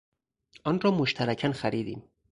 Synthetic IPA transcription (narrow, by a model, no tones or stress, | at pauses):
ɒːnrɒːmoʃt̪ʰæɾæcʰænxæɾiːd̪ḭːm